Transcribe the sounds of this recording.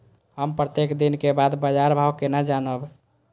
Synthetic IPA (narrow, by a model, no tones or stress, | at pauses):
ɦəmpɾət̪ekd̪inkebad̪bəd͡ʒaɾbʱawkenad͡ʒanəb